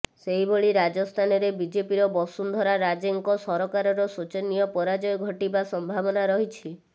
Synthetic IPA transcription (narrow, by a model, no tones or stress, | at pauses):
seɦiboɭiɾad͡ʒɔst̪ʰanɔɾebid͡ʒepiɾɔbɔsund̪ʱɔɾaɾad͡ʒeŋkɔsɔɾɔkaɾɔɾɔsut͡ʃenijɔpɔɾad͡ʒɔjɡʱɔʈibasɔmbʱabɔnaɾɔɦit͡ʃʰi